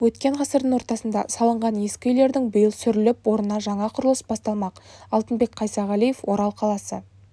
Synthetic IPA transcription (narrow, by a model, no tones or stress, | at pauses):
wɵt̪kʲe̞ɴqɑsəɾd̪əŋwo̞ɾt̪ɑsənd̪ɑsɑlˠəɴʁɑnje̞skʲɪʏjle̞ɾd̪ɪŋbʊjɪlˠsʏɾɪlɪpwo̞ɾənɑʒɑɴɑqʰʊɾəlˠəsbɑst̪ɑlˠmɑqɑlˠt̪ənbe̞kqʰɑjsɑʁɑlˠijefwo̞ɾɑlˠqʰɑlˠɑsə